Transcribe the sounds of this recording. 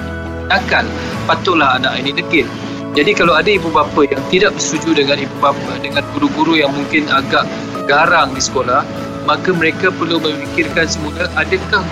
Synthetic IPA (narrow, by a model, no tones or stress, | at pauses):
dakal | pat̪ʊʔlahanaʔinĩdəkɪt̪̚ | d͡ʒadikalawadaibubapajaŋt̪idaʔ̚bərst̪ud͡ʒudəŋãnibubapədəŋãnɡuɾuɡuɾujaŋmuŋkɪnaɡaʔ | ɡaɾaŋdisə̥kolah | mãkaməɾekapərlumə̃mfikɪrkansəmũləʔadəkah